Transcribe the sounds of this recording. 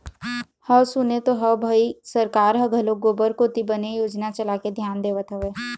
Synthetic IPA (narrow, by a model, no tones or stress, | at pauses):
həsʊnet̪oɦəbʱəisəɾkaːɾɦɐɡʱəloɡoːbəɾkot̪ibənejoːd͡ʒnat͡ʃəlaked̪ʱjaːnd̪eːʋət̪ɦəʋeː